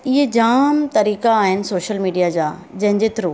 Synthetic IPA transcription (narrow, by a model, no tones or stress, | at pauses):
ɪɦed͡ʑaːmt̪ɐɾiːkaːɦɪnɪ̆soːʃəlmiːɖijad͡ʑaːd͡ʑɐ̃ɦɪɲd͡ʑeːt̪ɪɾoː